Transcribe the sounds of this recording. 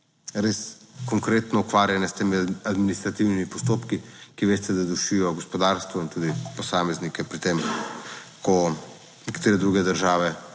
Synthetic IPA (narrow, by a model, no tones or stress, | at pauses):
ɾes | kɔŋkɾeːt̪nɔukʋaːɾjanɛst̪eːmiad̪minist̪ɾat̪iwnimipɔst̪oːpkikiʋeːst̪ɛd̪ad̪uʃijɔɡɔspɔd̪aːɾst̪ʋɔint̪uːd̪ipɔsaːmɛznikɛpɾit̪em | kɔ | nɛkḁt̪eːɾɛd̪ɾuːɡɛd̪əɾʒaːʋɛ